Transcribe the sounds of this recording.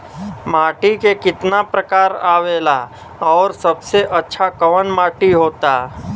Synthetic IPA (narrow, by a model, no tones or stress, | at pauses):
maːʈikekɪt̪napɾəkaːɾaːʋeːlaː | ɔːɾsɐbseʔɐtːʃʰakɐʋənmaːʈiɦoːt̪aː